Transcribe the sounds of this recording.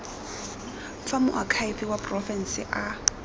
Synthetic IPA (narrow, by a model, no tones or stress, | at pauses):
famʊ̰ʔakʰaɪfɪwapʼrɔfɛn̩sɪʔa